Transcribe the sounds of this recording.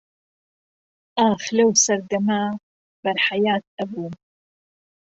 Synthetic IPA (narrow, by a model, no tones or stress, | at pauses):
ʔaːxlɐwsɐɾd̪ɐmaː | bɐɾħajaːt̪̚ʔɐbuːm